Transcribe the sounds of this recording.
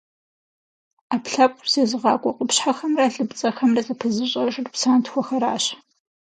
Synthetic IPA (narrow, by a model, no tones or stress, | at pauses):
aːpɬɐpʷʼz̥eːzɨʁɑ̰ːkʷʼɔqʷʼʊpɕħaxɐmraːɬɨbt͡sʼɐxɐmrɐzɐpʰɨzɨɕʼɐʂrpsaːntxʷɔxɐɾaːɕ